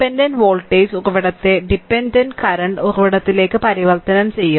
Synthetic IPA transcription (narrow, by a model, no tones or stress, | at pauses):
pːendɐnʋoːɭʈːeːsuruʋiɽɐt̪ːeɖipːendɐnɖkɐɾɐɳɖuruʋiɽɐt̪ːile̞ːkːɨpɐɾiʋɐrt̪ɐnɐmt͡ɕe̞jːu